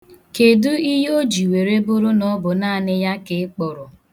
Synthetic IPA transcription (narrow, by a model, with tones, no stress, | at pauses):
ke˨du˦i˦ɦo˦d͡ʒi˨we˨ɾe˦bʊ˦ɾʊ˦nɔ˦bʊ˨naː˦˨nɪ˦ja˦kɪ˨˦k͡pʊ˨ɾʊ˨